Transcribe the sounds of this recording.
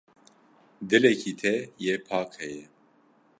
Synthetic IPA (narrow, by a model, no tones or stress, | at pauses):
d̪ɨlɛkʰiːt̪ʰɛjeːpʰɑːqhɛjɛ